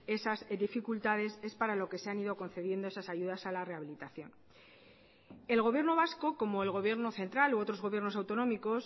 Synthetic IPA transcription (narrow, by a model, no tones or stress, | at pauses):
e̞sazd̪ifikult̪að̞e̞se̞spaɾalo̞ke̞se̞aniðo̞ko̞nθe̞ðje̞nd̪oe̞sasaʝuðasalare̞aβilit̪aθjo̞n | e̞lɣo̞β̞je̞ɾno̞β̞asko̞ko̞mo̞elɣo̞βje̞ɾno̞θe̞nt̪ɾalo̞ot̪ɾo̞zɣo̞βje̞ɾno̞sawt̪o̞nõ̞miko̞s